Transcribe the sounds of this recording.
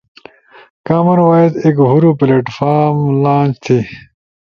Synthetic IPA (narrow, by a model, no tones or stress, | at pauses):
kaːmɐnwaːid̪ekɦuɾupleʈfaːɾmlãːnt͡ɕt̪ʰi